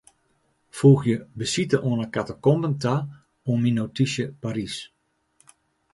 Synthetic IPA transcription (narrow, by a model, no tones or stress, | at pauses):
fuːxjəbəsitəʔoənəkatəkɔmbəntʰa | ominotisjəpaɾis